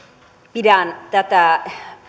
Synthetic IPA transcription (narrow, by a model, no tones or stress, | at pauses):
piɾant̪at̪a